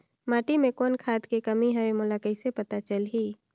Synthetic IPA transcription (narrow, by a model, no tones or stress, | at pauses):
maːʈimẽkɔːnkʰaːd̪kekəmiɦəemʊlakəɪsepət̪at͡ʃəlɦiː